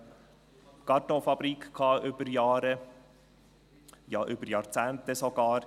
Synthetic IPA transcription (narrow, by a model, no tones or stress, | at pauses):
ɡ̥ɑtofɑb̥ɾikkʰɑːʔʏb̥əɾjɑːɾə | jɑːʔʏbəɾjɑɾt͡sæːnt̪əsoɡ̥ɑːɾ